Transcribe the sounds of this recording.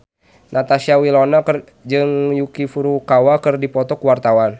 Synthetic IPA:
nat̪asiawilonak | d͡ʒɨŋjukifuɾukawakɨrdipɔt̪ɔkuwart̪awan

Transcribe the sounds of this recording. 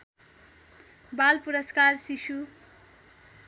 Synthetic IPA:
balpuɾʌskarsisu

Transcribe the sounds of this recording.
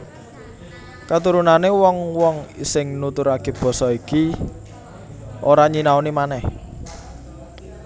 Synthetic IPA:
kat̪uɾunanewɔŋwɔŋsɪŋnut̪ʊɾakeb̥ɔ̤sɔiki | ʔoɾaɲinaonimanɛh

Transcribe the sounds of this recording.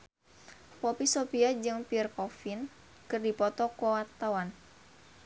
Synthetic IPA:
pɔpisopiad͡ʒɨŋpirkɔfin | kɨrdipɔt̪ɔkɔwart̪awan

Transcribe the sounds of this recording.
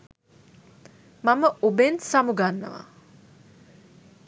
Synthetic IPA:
maməʔubensamuɡanːə̰ʋa̰

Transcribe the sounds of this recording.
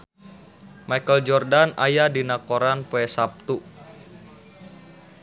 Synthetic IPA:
majkəld͡ʒɔrdana̰jadinakoɾanpoɛsap̚t̪u

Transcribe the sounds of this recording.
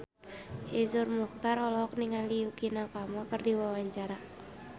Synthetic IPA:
ʔizʊrmukt̪aɾɔlɔɦɔk̚niŋaliukinakamakərdiwawaɲt͡ʃaɾa

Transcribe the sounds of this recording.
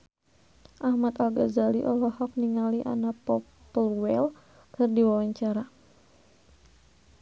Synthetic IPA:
ʔahmat̪alɡazaliʔɔlɔhɔk̚niŋaliʔa̰napɔ | pəlwɛl | kɨrdiwawaɲt͡ʃaɾa

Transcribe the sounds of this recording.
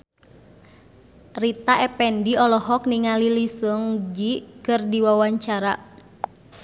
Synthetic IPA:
rit̪aɛpɛndiɔlɔɦɔk̚niŋalilisəŋd͡ʒikɨrdiwawaɲt͡ʃaɾa

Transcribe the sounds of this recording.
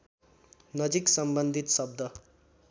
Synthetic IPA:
nʌd͡ziksʌmbʌnd̪ʱit̪sʌb̚d̪ʱʌ

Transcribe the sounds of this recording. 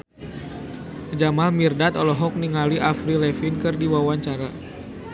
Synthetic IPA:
d͡ʒamalmirdat̪ɔlɔɦɔk̚niŋaliʔafɾilɛfinkɨrdiwawaɲt͡ʃaɾa

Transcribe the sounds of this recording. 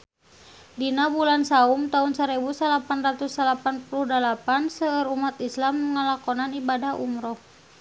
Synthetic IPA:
dinabulansaumt̪aunsaɾɛbusalapanrat̪usalapanpuluhdalapansəəɾumat̪islamːəŋəlakɔnanibadahʔṵmɾɔh

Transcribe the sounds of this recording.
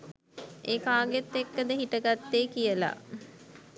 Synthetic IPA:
eːkaːɡet̪ːekːəd̪əɦiʈəɡat̪ːeːkijəla̰

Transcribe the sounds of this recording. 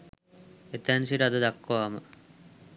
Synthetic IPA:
et̪ænsiɾad̪ud̪akːoaːmə

